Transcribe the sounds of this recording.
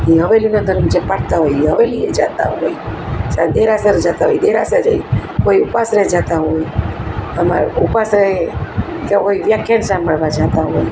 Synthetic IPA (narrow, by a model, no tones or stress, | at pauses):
iɦəʋelinad̪ʱəɾmd͡ʒepaʈ̚t̪aɦojiɦəʋelied͡ʒat̪a̰ɦoit͡ʃad̪eɾasəɾd͡ʒat̪aɦojd̪eɾasəd͡ʒa̰ikoiupasɾed͡ʒat̪aɦoj | əma̰ɾupasɾe | keɦoiʋjakʰːjansamːəɭʋad͡ʒat̪aɦoj